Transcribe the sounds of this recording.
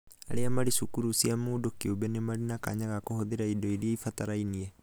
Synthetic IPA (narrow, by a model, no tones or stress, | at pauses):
aɾeamaɾisukuɾusiamoːdokiobɛnemaɾinaka̰ɲaɣakohoðeɾaidɔiɾieifat̪aɾainiɛ